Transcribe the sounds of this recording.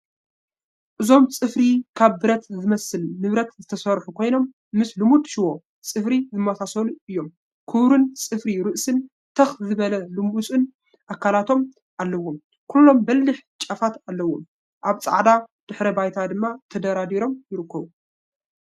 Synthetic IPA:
ʔɨzo̞mt͡sʼɨfɾikʰaβbɨɾɐt̪zɨmɐsɨlnɨβɾɐt̪zɨt̪ʰɐsɐɾħukʰo̞jno̞mː | ɨslɨmud̪ʃɪwo̞ | t͡sʼɨfɾizɨmːɐsasɐluʔɨjːo̞m | kʰɨβɾɨnt͡sʼɨfɾiɾɨʔsɨn | t̪ʰɐxzɨβɐlɐlɨmut͡sʼɨn | ʔakːalat̪ʰo̞m | ʔalːɐwːom | kʰulːo̞mbɐlːɨħt͡ʃʼɐfat̪alːɐwom | ʔaβt͡sʼa̰ʕd̪ad̪̥ɨħɾɐbajt̪ʰad̪ɨmːat̪ʰɐd̪ɐɾad̪iɾo̞mjɪɾɨkːɐβu

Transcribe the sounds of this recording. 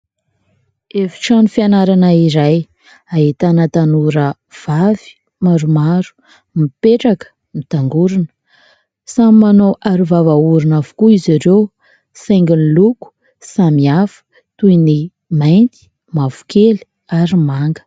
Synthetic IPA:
efi̥ʈ͡ʂanufianaɾanaiɾaj | aɦit̪anət̪anuɾə | v̥avi̥ | maɾumaɾu̥ | mipeʈ͡ʂakə̥ | mit̪aŋɡuɾinə̥ | samimanoʔaɾuvavauɾinavu̥kuiziɾew | saŋɡiniluku̥ | samiafə̥ | t̪ujni | majnt̪i̥ | mav̥u̥keli̥ | aɾimaŋɡə̥

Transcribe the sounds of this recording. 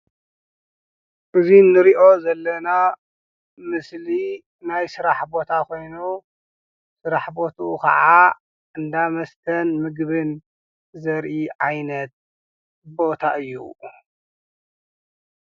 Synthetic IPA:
ʔɨzinɨɾiʔo̞zɐlːɐna | mɨsli | najsɨɾaħbo̞t̪ʰakʰo̞jnu | sɨɾaħbo̞t̪ʰuukʰɐ̰ʕa | ʔɨnd̪amɐst̪ʰɐnmɨɡβɨn | zɐɾʔiʕajnɐt̪̚ | bo̞t̪ʰaʔɨjːṵ

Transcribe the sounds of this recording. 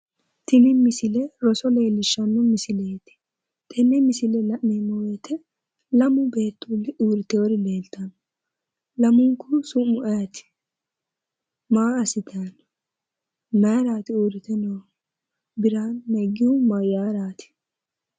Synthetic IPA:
t̪ɪlɪmɪsɪlɛɾɔsɔle̞ːlːɪʃːɐnːʊmɪsɪleːt̪ɪ̥ | t̪ʰʼɛnːɛmɪsɪlɛlɐʔmemːɔweːt̪ʰɛ | lɐmʊbeːt̪ːuːlɪuːɾɪt̪ɛɔɾɪle̞ːlt̪ɐnɔ | lɐmʊŋkːʊsʊmːʊʔɐjɐt̪ɪ̥ | maːɐsɪt̪ʰɐn | maːɾaːt̪ɪuːɾɪt̪ɛnɔw | bɪɾaːnːɛɡɪʊmɐjaːɾaːt̪ɪ̥

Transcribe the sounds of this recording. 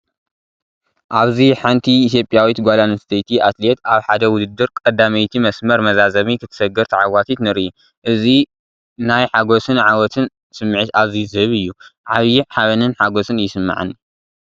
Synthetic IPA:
ʔaβziħant̪ʰiːt̪ʰjo̞pʼjawit̪ɡʷalanɨst̪ʰɐjt̪ʰiʔat̪le̞t̪aβħad̪ɐwʊd̪ɨd̪ɨɾkʼɐd̪ːamɐjt̪ʰimɐsmɐɾmɐzazɐmikʰɨt̪ʰɨ̥sɐɡɐɾt̪ʰiʕawwat̪ʰit̪nɨɾii | ʔɨzi | najħaɡosɨnʕawɔt̪ʰɨn | sɨmːɨʕɨt̪aβzizɨhɨβɨjːuʕaβjiʕħaβɐnɨnħaɡosɨnjɪsɨmːa̰ʕɨ̰ni

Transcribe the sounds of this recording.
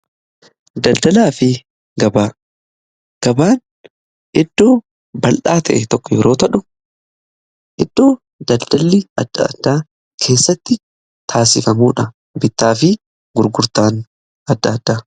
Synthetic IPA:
d̪ɐld̪ɐlaːfɪ | ɡɐbaː | ɡ̥ɐbaːn | ʔɛd̪̥ːo̞ː | bɐlʔaːt̪ɐʔɛt̪ɔkːɔjɛɾo̞ːt̪ɐᶑʊ | ʔɛd̪̥ːo̞ː | d̪ɐld̪̥ɐlːɪɐd̪̥ːɐ̰ɐ̰d̪ːaː | kʰe̞ːsːɐt̪ːɪ | t̪ʰaːsɪfɐmuːᶑɐ | bɪt̪ːaːfɪ | ɡʊɾɡʊɾt̪aːn | ɐd̪ːɐːd̪ːaː

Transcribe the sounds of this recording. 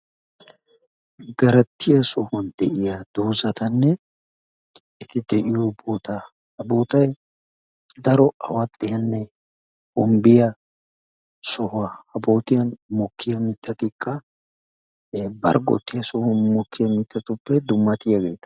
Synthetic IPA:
ɡɐɾɐt̪ːɪjɐsɔhɔnd̪ɛʔɪjɐd̪̥uːzɐt̪ɐnːɛ | ɪt̪ɪd̪ɛʔɪjɔboːt̪a | hɐboːt̪ɐj | d̪ɐɾɔɐ̰wɐt̪ʼːɪjɐnːɛ | ʊmbɪjɐ | sɔhʊɐhɐboːt̪ɪjɐnmɔkʰːɪjɐmɪt̪ːɐt̪ɪkʼːɐ | bɐ̰ɾɡɔ̰t̪ːɪjɐsɔhʊnmɔkːɪjɐmɪt̪ːɐt̪ʊpːɛd̪ʊmːɐt̪ɪjɐɡḛːt̪ɐ̥

